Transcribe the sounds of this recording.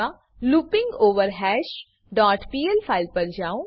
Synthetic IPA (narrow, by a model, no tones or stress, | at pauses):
a | luːpɪ̃ŋɡoːʋəɾɦɛːʃ | ɖaːʈpiːelpʰaːɪlpɐɾd͡ʒaːo